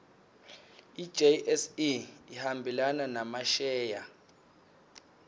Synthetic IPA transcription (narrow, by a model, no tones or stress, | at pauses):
i̥d͡ʒeʔɛsiihambʱilananamaʃɛːja